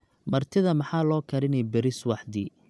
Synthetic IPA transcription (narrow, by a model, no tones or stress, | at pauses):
mɐrt̪ʰɪðɐmɑħaːlɔːkʰɐɾɪnɛjbɛɾɪswɑħd̪i